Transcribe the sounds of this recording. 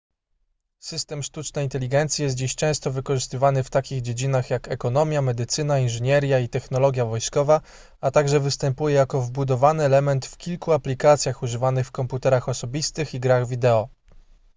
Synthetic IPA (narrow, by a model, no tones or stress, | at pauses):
sɘst̪ɛmʂt̪ut͡ʂnɛint̪ɛlʲiɡɛnt̪sʲijɛst̪̚d͡ʑiɕt͡ʂɛ̃w̃st̪ɔvɘkɔʐɘst̪ɘvanɘft̪akʲiɣd͡ʑed͡ʑinaxjakɛkɔnɔmʲjamɛd̪ɘt̪sɘnainʐɘɲɛɾʲjait̪ɛxnɔlɔɡʲjavɔjskɔva | at̪aɡʐɛvɘst̪ɛmpujɛjakɔvbud̪ɔvanɘɛlɛmɛnt̪fkʲilkuaplʲikat̪sʲjaxuʐɘvanɘxfkɔmput̪ɛɾaxɔsɔbʲist̪ɘxiɡɾaɣvʲid̪ɛɔ